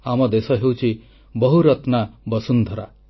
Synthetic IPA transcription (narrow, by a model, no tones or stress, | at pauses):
amɔd̪esɔɦewt͡ʃʰi | bɔɦuɾɔt̪nabɔsund̪ʱɔɾa̰